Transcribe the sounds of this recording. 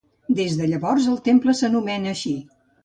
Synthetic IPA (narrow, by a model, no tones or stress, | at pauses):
d̪ezðəʎəβɔrzəlˠt̪empləsənumɛnəːʃi